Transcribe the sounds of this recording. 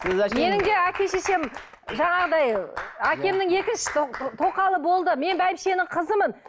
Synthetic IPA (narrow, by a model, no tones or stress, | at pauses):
me̞nɪŋd̪e̞ækʲe̞ʃese̞m | ʒɑɴɑʁəd̪ɑjækʲe̞mnɪŋe̞kʲɪnʃɪ̥t̪t̪ʰo̞qɑlˠəbo̞lˠd̪əme̞nbæjɪpʃe̞nɪŋqʰəzəmən